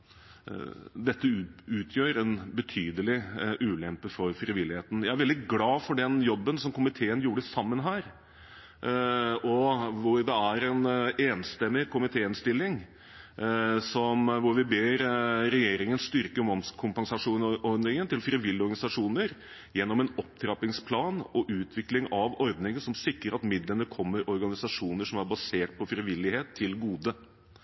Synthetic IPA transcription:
d̪ɛt̪ːəʉːt̪ʰjøːɾɛnbət̪ʰyːd̪əlɪʔʉːlɛmpəfɔɾfɾɪʋɪlːɪheːt̪ən̩jæɪæɾʋɛld̪ɪɡlɑːfɔɖɛnjɔbːənsɔmkʊmɪt̪ʰeːənjuːɽəsɑmːənɦæːɾ | ɔʋʊɾd̪ɛæɾɛneːnst̪ɛmːɪkʊmɪt̪ʰeːɪnst̪ɪlːɪŋ | sɔmʋʊɾʋɪbeːɾɾɛjeːɾɪŋənst̪ʏɾkəɾmɑmskʰʊmpɑnsɑʂuːnɔɾd̪nɪŋənt̪ʰɪlfɾɪʋɪlːɪɔɾɡɑnɪsɑʂuːnəɾ | jɛnːɔmɛnɔp̚t̪ʰɾɑpɪŋspʰlɑːnɔʔʉːt̪ʰʋɪklɪŋɑʋɔɾd̪nɪŋənsɔmsɪkɾəɾɑt̪mɪd̪lənəkʰɔmːəɾʔɔɾɡɑnɪsɑʂuːnəʂɔmæɾbɑseːʈ̚pʰɔfɾɪʋɪlːɪheːt̪ʰːɪlɡuːd̪ə

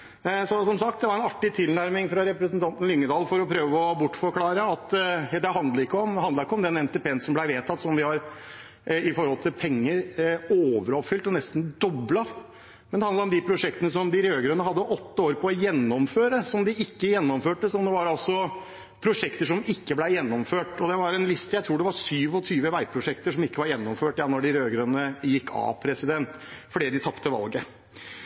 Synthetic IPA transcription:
sɔsɔmsɑk̚t̪d̪ɛʋɑɾɛnɑʈːɪt̪ʰɪlnæɾmɪŋfɾɑɾɛpɾəsnt̪ʰɑnt̪nlʏŋːəd̪ɑːlfɔɾɔpʰɾøːʋəɔbʊʈːfɔɾkʰlɑːɾəɑt̪ɛd̪ɛɦɑnd̪lɑɾɪkːəɔmd̪ɛhɑnd̪ɑɾɪkːəɔmd̪ɛnɛnt̪ɛːpʰeːnsɔmblæɪʋeːt̪ʰɑt̪ːsɔmʋɪhɑɾ | ɪfɔɾhɔlt̪ʰɪlpʰɛŋːəɾoːʋəɾɔpfʏlt̪ɔnɛst̪n̩d̪ɔblɑ | mɛnd̪ɛhɑnɑɔmd̪ɪpʰɾʊʂɛkt̪ənəsɔmd̪ɪɾøːɡɾøːnəɦɑd̪ːəʔɔt̪ːəoːɾpʰɔːjɛnːɔmføːɾəsɔmd̪ɪʔɪkːəjɛnːɔmføːʈəsɔmd̪ɛʋɑɾɑlsɔ | pʰɾʊʂɛkt̪əʂɔmɪkːəblæɪjɛnːɔmføːʈɔd̪ɛʋɑɾɛnlɪst̪əjæɪt̪ʰɾuːɖɛʋɑɾʂyːʋɔt̪ʰyːʋəʋæɪpʰɾʊʂɛkt̪əʂɔmɪkːəʋɑɾjɛnːɔmføːʈjɑnɔɖɪɾøːɡɾønəjɪkːɑ̰pʰɾɛsɪd̪ɛnt̪fɔɖiːd̪ɪt̪ʰɑpt̪əʋɑ̰lɡə

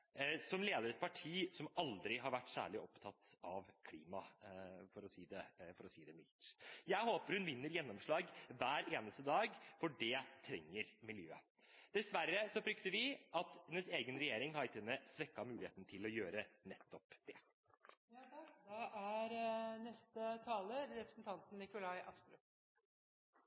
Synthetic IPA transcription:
sɔmleːd̪əɾɛt̪̚pʰɑʈʰiːsɔmɑld̪ɾɪɦɑɾʋæʈːsæ̰ːɭɪʔɔpt̪ʰɑt̪ɑʋkʰlḭːmɑfɔɾɔsiːd̪ɛfɔɾɔsiːd̪ɛmɪ̰lt̪jæɪhoːpəɾhʉnʋɪnːəɾjɛnːɔmʂɭɑːɡʋæːɾeːnəst̪əd̪ɑːɡfɔɖɛt̪ʰɾɛŋːəɾmɪljø̰ːə | d̪̥ɛsʋæɾːəsɔfɾʏkt̪əɾʋɪʔɑt̪hɛnːəseːɡənɾɛjeːɾɪŋhɑɪt̪ɛnəsʋɛkːɑmʉːlɪḛːt̪ənt̪ʰɪlɔjøːɾənɛt̪ʰːɔpd̪̥ɛ | jd̪ɛʔæɾnɛst̪ət̪ʰɑːləɾɛpɾəsnt̪ʰɑnt̪n̩ːɪkʊlɑɪʔɑskɾʉ̰

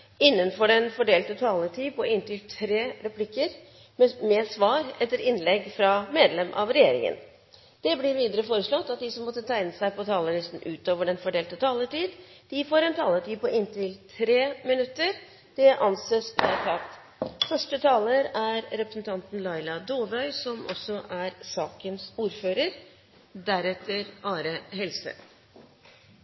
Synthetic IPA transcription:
ɪnːənfɔɖɛnfɔɖeːlt̪ət̪ʰɑːləʈʰiːpʰɔɪnt̪ɪlt̪ʰɾeːɾɛpʰlɪkːəɾ | mɛsʋɑːɾɛt̪ːəɾɪnlɛɡfɾɑmeːd̪lɛmʔɑ̰ʋɾɛjeːɾɪ̰ŋə̰n | d̪̥ɛblɪɾʋiːd̪əɾəfoːɾəʂɭɔt̪ːɑt̪̚d̪ɪsɔmːɔt̪ːət̪ʰæɪnəsæɪpɔt̪ʰɑːləlɪst̪n̩ʔʉːt̪oːʋəɖɛnfɔɖeːlt̪ət̪ʰɑːləʈiːd̪ | d̪̥ɪfoːɾɛnt̪ʰɑːlət̪iːpɔʔɪnt̪ɪlt̪ʰɾeːmɪnʉt̪ːəɾ | d̪̥ɛʔɑnseːsʋɛt̪ʰɑːt̪ | fœʂʈət̪ʰɑːləɾæɾɾɛpɾəsn̩t̪ʰɑnt̪n̩lɑɪlɑd̪oːʋœʏsɔmʔɔ̰sɔʔæɾsɑːkənsuːɾføːɾəɾ | d̪æɾɛt̪ʰːəɾʔɑːɾəɦɛlsə̰

